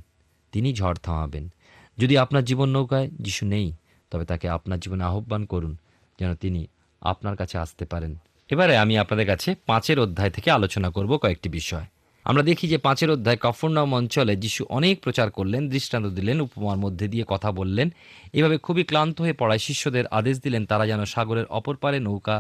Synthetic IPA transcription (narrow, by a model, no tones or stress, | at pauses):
t̪inid͡ʑʱɔɾt̪ʰãw̃abḛn | d͡ʑod̪iapnaɾd͡ʑibonːowkaed͡ʑiʃunej | t̪ɔbet̪akeapnaɾd͡ʑiboneaɦobːankoɾun | d͡ʑɛnot̪ini | a̰pnaɾkat͡ɕʰea̰st̪epaɾen | ebaɾeamiapnad̪eɾkat͡ɕʰepãt͡ɕeɾod̪ʱːaet̪ʰe̥kealot͡ɕonakoɾbokɔek̚ʈibiʃɔe | a̰mɾad̪ekʰid͡ʑepãt͡ɕeɾod̪ʱːaekafʰoɾnɔmɔnt͡ɕoled͡ʑiʃuʔɔnek̚pɾot͡ɕaɾkoɾlend̪ɾiʃʈant̪od̪ilenupomanmod̪ʱːed̪iekɔt̪ʰabolːen | ebʱabekʰubiklant̪oɦoepɔɽaeʃiʃːod̪eɾʔa̰d̪eʃ̬d̪ilent̪aɾad͡ʑɛnoʃaɡoɾeɾʔɔpoɾpaɾenowka